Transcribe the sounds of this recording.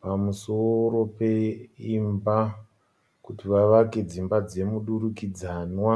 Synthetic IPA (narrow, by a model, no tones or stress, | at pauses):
pamusoɾo̞pe̞imba | kutiʋaʋake̞d͡zimbad͡ze̞muɗuɾukid͡zanwa